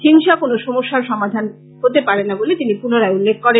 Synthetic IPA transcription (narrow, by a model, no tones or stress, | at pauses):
hiŋʃakonoʃɔmoʃːaɾʃɔmad̪ʱan | ɦot̪epaɾenːabolet̪inipunoɾaeulːekʰːkɔɾe